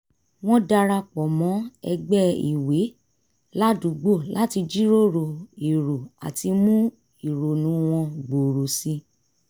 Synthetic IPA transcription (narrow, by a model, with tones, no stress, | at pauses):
w̃ɔ̃˦da˧ɾa˧k͡pɔ˨mɔ̃˨˦ɛ̰˧ɡ͡bɛ˦ḭ˨we˨˦ | la˦dũ˨˦ɡ͡bo˦˨la˨˦ti˧d͡ʒi˦ɾo˦˨ɾo˨i˨ɾo˨a̰˨ti˧mũ˦ | i˨ɾo˨nũ˨˦w̃ɔ̃˧ɡ͡bo˨ɾo˨sĩ˧˦